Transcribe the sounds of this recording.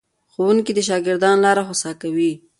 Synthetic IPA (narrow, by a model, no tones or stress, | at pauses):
xowunkid̪əʃ̬ɑɡɪɾd̪ɑnlɑɾaxosɑkawi